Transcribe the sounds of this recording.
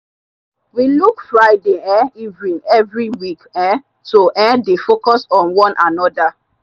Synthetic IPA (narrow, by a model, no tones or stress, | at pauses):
wilukfɹaɪdeɛ̃ivɹĩnɛvɹiwikɛ̃ | toʔɛ̃defokɔsɔ̃nwɔ̃nʔanɔda